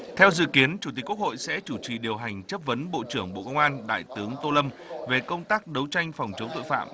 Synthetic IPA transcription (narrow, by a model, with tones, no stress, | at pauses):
t̪ʰɛ˧wzɨ̰˧˨ki˨˦ənt͡ɕu˧˩t̪i˨˩k̚ːu˥kho̰˧˨jsɛ̰˧˥t͡ɕu˧˩t͡ɕi˨˩ɗi˨˩əwɦa˨˩jŋ̟t͡ɕə˦˥p̚və˨˦nɓo̰˧˨t͡ɕɨ˧˩əŋɓo̰˧˨kə˧wŋ͡mʔaː˧nɗa̰ː˧˨jt̪ɨ˨˦əŋt̪o˧lə˧m | ve˨˩kə˧wŋ͡mt̪aː˦˥k̚ɗə˨˦wt͡ɕa˧jŋ̟fa˨˩wŋ͡mt͡ɕə˨˦ŋ͡mt̪o̰˧˨fa̰ː˧˨m